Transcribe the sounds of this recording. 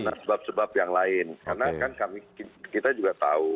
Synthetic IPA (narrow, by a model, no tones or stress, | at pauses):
nasəbap̚səbap̚jaŋlaɪnkarnakankamikikit̪ad͡ʒuɡat̪a̰u